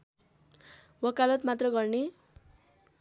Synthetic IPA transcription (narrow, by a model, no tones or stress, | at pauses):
wʌkalʌt̪mat̪rʌɡʌrne